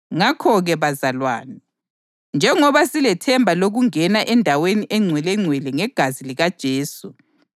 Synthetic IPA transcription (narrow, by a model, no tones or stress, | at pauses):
ŋakʰɔɣɛβazalwa̰ːni | nd͡ʒʱɛŋɔβasilɛtʰɛmbʱaloɣuŋɛnaʔɛndʱaweniʔɛŋ͡ǀʱwɛlɛŋ͡ǀʱwɛlɛŋɛɡ̥ʱaziliɣad̥ʒ̥ʱeːsu